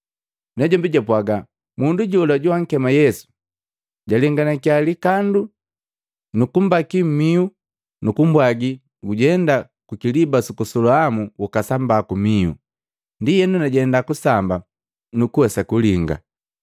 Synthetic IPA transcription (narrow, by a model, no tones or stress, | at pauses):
nɛɟɔmbiɟapwaɡa | munduɟɔlaɟuwaŋ̩kɛmajɛsu̥ | ɟaliŋɡanakialikandu | nukum̩bakim̩miu | nukumbwaɡi | ɡuɟɛnda | kukilibasukusɔlɔamuwukasambakumiṵ | ndijɛnunaɟɛndakusamba | nukuwɛsakuliŋɡa̰